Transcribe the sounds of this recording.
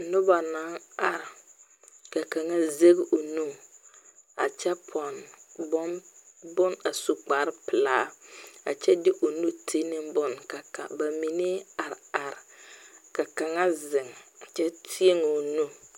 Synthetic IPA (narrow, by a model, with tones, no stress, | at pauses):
nʊ˦ba˨na˨˦ŋa˨ɾ | ka˨ka˨ŋa˦ze˦ɡʔo˨nu˦˨ | a̰˨t͡ʃɛ˦pʰɔ˨nbɔ˦bʊ˦na˨su˦k͡pa˨˦ɾpɪ˨la˦a̰˨t͡ʃɛ˦dɪ˦ʔo˨nu˦tʰe˦nɪ˦mbʊ˦˨nka˨ka̰˨ba˨mi˨ne˦a˨ɾa˨ɾka˨ka˨ŋa˦zɪ˨ŋa˨t͡ʃɛ˦tʰi˦e˦ŋo˨nu˦